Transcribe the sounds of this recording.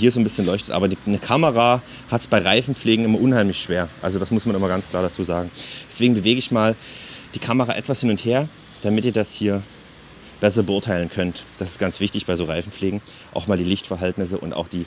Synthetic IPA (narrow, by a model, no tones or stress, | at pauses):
hiːɐzoːnbɪsçənlɔʏçtətʔa̰ːbɐdinəkʰaməʁaː | hatsb̥aɪʁaɪfn̩p͡ffleːɡŋ̩ɪmɐʔʊnhaɪmlɪçʃv̥eːɐʔa̰lzodasmʊsmanɪmɐɡant͡skʰl̥aːɐɾat͡suːzaːɡŋ̩d̥ɛsv̥eːɡŋ̩bəveːɡəɪçmaːld̥iːkʰaməʁaːʔɛtv̥ashɪnʊntheːɐ | d̥amɪtiːɐdashiːɐ | b̥ɛs̬ɐbəʔʊɐtʰaɪlənkʰœntd̥asɪstɡ̥ant͡sv̥ɪçtɪçb̥aɪzoːʁaɪfn̩fleːɡŋ̩ | ʔa̰ʊxmaːldiːlɪçtfɛɐɦɛltnɪs̬əʔʊ̰nta̰ʊxd̥iː